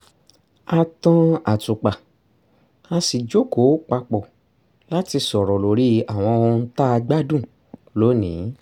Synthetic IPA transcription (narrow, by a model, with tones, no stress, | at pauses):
a˧tɔ̃˦a˨tu˨k͡pa˨ | a˧si˨d͡ʒo˦ko˨˦k͡pa˧k͡pɔ˨ | la˦ti˧sɔ˨ɾɔ˨lo˨ɾi˦a˨w̃ɔ̃˧õ˧n̩˦ta˦a˧ɡ͡ba˦dũ˦˨ | lo˨˦nĩ˨˦